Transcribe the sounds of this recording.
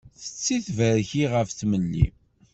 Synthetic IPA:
θə̥t͡sːiθvəɾçiʁəfθməlːḭ

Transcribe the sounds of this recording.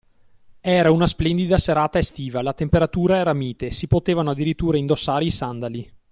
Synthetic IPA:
ɛːɾaunasplɛnd̪id̪aseɾaːt̪aest̪iːvalat̪empeɾat̪uːɾaɛːɾamiːt̪esipot̪eːvanoad̪ːiɾit̪ːuːɾaind̪osːaːɾeisand̪ali

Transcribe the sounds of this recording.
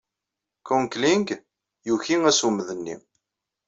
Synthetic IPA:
kɔŋkliŋɡ | juçiŋæsuməðənːḭ

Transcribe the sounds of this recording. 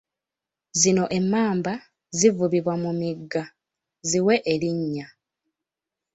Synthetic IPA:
zino̞ʔe̞mːaːmba | zivuβiβwamumiɡːa | ziwe̞ʔeliɲːa

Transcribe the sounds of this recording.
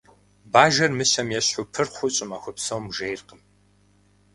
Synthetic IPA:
baːʒɐrmɨɕɐmjɛɕħʊpʰɨrχʷʊɕʼɪmaxʷʊpsɐwmʒejrqəm

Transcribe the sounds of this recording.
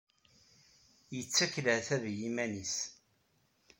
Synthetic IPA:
jət͡sːækːləθæðjimænis

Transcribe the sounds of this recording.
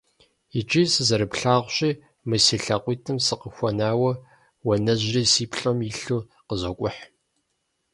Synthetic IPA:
it͡ʃʼisɨzɐɾɨpɬaːʁʷɕʼiː | mɨsiɬɐqʷʼiːtʰɨmsɨqəxʷɔnaːwɐ | wɐnɐʑrɐsiːpʰɬʼɐmiɬuː | qəzɐkʷʼʊħ

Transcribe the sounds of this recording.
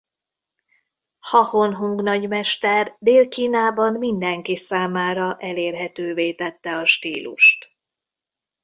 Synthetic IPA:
hɒhonɦuŋɡnɒɟmɛʃt̪ɛrd̪eːlkiːnaːbɒnmind̪ɛŋkisaːmaːɾɒʔɛleːrɦɛt̪øːveːt̪ɛt̪ːɛɒʃt̪iːlṵʃt̪

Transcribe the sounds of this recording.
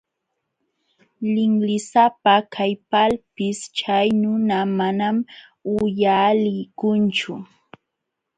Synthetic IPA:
lɪŋlɪsapakʰajpalpɪst͡ʃajnʊnamanam | ʊjalɪjkʊnt͡ʃʊ

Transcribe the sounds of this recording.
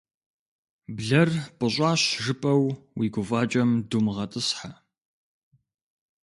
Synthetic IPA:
bɮɐrpʼɨɕʼɑːɕʒɨpʼɐwwiːɡʷʊvaːt͡ʃʼɐmdumʁɐtʼɨsħa

